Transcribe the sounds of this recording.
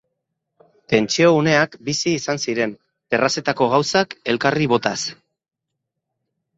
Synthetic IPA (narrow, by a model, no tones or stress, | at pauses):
t̪e̞nt͡ʃio̞une̞akbisiːsansiɾe̞m | perase̞t̪ako̞ɣ̞awsake̞lkariβ̞o̞t̪as